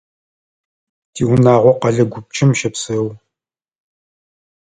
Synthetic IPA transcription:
tʰiːwʊnaːʁʷɔqɐɮɐɡʷʊp̚t͡ʃʼɪmʃɐpsɐw

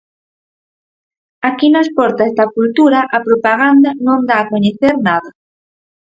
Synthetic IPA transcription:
akinaspɔɾt̪azd̪akult̪uɾaʔapɾopaɣand̪anõnd̪aːkoɲeθeɾnaðɐ

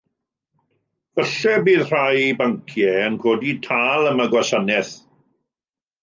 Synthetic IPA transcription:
vəɬɛbiːðr̥ajbaŋkʰjɛənɡʰoːditʰaːlˠəməɡwasanɛθ

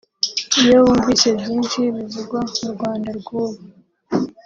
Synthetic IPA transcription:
ijoβuːɱvise̞bjiːnʃiβiziɡwamuɾɡwaːndaɾɡuːβu

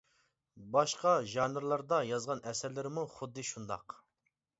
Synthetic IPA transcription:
bɑʃqɑʒɑnɨɾlˠɑɾd̪ɑjɑzʁɑnʔɛsɛɾlɪɾɪmuχʊd̪ːɨʃund̪ɑ̰q

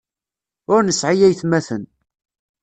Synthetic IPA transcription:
ʊɾnəsːʕijæjθmæθən

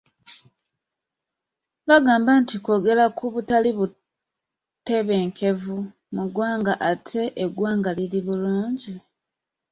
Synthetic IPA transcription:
βaɡaːmbantiko̞ɡe̞lakʰuβutaliβu | te̞βe̞ːŋkʰe̞vu | muɡwaːŋɡaʔatʰe̞ʔeɡwaːŋɡaliliβuluːɲɟi

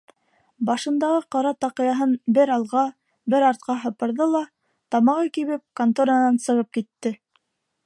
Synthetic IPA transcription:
bɑʃɤ̆nd̪ɑʁɤqɑɾɑt̪ɑqɤ̆jɑɦɤnbɘɾɑlˠʁɑ | bɘɾɑɾt̪̚qɑɦɤ̆pɤ̆ɾðɤlˠɑ | t̪ɑmɑʁɤkiβɘp̚kant̪oɾɑnɑnsɤ̆ʁɤp̚kit̪ːɘ

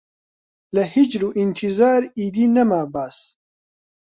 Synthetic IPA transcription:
lɛhid͡ʒɾuːʔint̪ʰizaːɾiːd̪iːnɐmaːbaːs

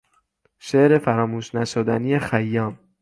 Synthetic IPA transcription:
ʃeʔɾe̞fæɾɒːmuːʃnæʃod̪ænijexæjːɒːm

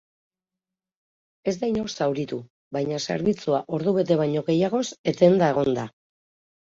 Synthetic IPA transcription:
e̞zd̪ajno̞sawɾit̪u | βajɲase̞̰ɾβit͡suaʔo̞ɾðuβe̞t̪e̞βaɲo̞ɣe̞jaɣ̞o̞se̞t̪e̞nd̪ae̞ɣ̞o̞nd̪a

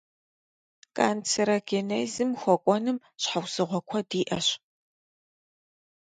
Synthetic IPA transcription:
kʼaːnt͡sʰɨɾɐɡeneːzɨmxʷɔkʷʼɔnɨm | ɕħawzɨʁʷɔkʷʰɐdiːʔɐɕ

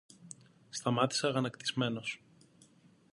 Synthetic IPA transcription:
st̪ɐmɐt̪i̥seɐɣɐnɐkt̪izme̞no̞s

